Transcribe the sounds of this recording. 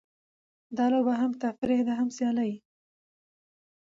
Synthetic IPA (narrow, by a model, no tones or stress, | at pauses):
d̪ɑlobaɦamt̪afɪɾed̪aɦamsjɑlaji